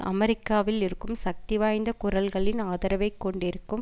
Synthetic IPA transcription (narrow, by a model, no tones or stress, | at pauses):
ʔɐ̰mɛɾɪkːaːʋɪlɪɾɯkːɯmsɐk̚t̪ɪʋaːjnd̪ɐkʊɾɐlɣɐɭɪnaːðɐɾɐʋɐɪkːɔɳɖɪɾɯkːɯm